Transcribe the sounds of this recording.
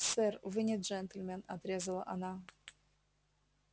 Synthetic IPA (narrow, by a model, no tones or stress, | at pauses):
sɛrvɨnʲɪd̪ʐɛnt̪ʲɪlʲmʲɛnɐt̪ɾʲezəlˠə̰ʔɐna